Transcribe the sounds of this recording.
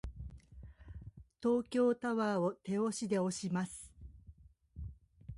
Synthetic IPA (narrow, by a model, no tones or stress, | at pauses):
t̪o̞ːkʲo̞ːt̪aβaːo̞t̪e̞o̞ɕid̪e̞o̞ɕimasɨ̥